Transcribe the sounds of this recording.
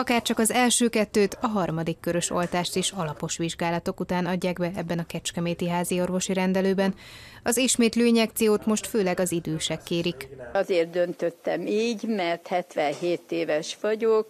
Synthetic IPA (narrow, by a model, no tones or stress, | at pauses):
ɒkaːrt͡ʃɒkɒzɛlʃøːkɛt̪ːøːt̪ɒɦɒrmɒd̪ikːøɾø̞ʃolt̪aːʃt̪eːʃɒlɒpo̞ʃʋiʒɡaːlɒt̪o̞kut̪aːnɒɟːaːɡbɛɛbːɛnɒkɛt͡ʃkɛmeːt̪iɦaːzio̞rvo̞ʃiɾɛnd̪ɛløːbɛn | ɒziʃmeːt̪løːɲɛk̚t̪sijoːt̪mo̞ʃt̪føːlɛɡɒzid̪øːʃɛkːeːɾikɒzeːrt̪̚d̪ønt̪øt̪ːɛmiːɟmɛrt̪hɛt̪ʋɛnɦeːt̪eːvɛʃʋɒɟok